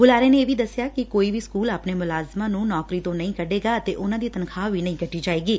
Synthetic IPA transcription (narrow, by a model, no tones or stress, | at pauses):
bʊlaːɾeːneeːʋiːd̪əsːjaːkɪkoːiːʋiːskuːlaːpneːmʊlaːzmãːnũːnɔːkɾiːt̪õːnəĩkəɖeːɡaːət̪eːʔʊnãːd̪iːt̪ənkʰaːʋiːnəĩːkəʈːiːd͡ʒaːeːɡiː